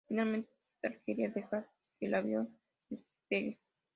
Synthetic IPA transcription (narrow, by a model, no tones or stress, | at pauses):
finalment̪e | aɾkeɾiaðexa | kelʔaβjon | d̪es | peɣe